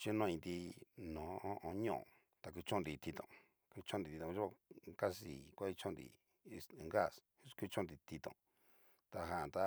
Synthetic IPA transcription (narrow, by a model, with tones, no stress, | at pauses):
t͡ʃi˦nõ˦˧ĩ˧nd̪i˧nõ˨˦õ˦˧ʔõ˧˦ɲõ̰˦˨ | t̪a˧ku˧t͡ʃõ˦nd̪i˨˧t̪i˧t̪õ̰˨ | ku˧t͡ʃõ˦nd̪i˧i˧t̪õ˨˧˦a˧ka˦si˨kʷa˦i˦˧t͡ʃõ˦nd̪ḭ˧ | ŋɡa˦˨sku˦˧t͡ʃõ˦nd̪i˧t̪i˧t̪õ̰˨ | t̪a˧ɦã˧˨t̪a˧˦